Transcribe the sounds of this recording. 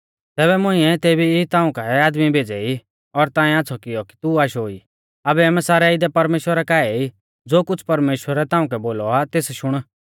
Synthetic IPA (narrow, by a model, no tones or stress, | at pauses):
t̪ɛːbɛmʊ̃ĩɛt̪eːbiɪt̪ãːũkaaːd̪mibʱeːd͡zɛi | ɔɾt̪ãːĩaːt͡sʰɔkɪjɔki̥t̪uaːʃoḭ | ɐbɛɛːmɛ̃saːɾɛɪd̪ɛpɐɾmeːʃwəɾɛkaːɛi | d͡zoːkʊt͡sʰpɐɾmeːʃwəɾɛt̪ãːʊ̃kɛboːlɔat̪eːsʃʊɽ̃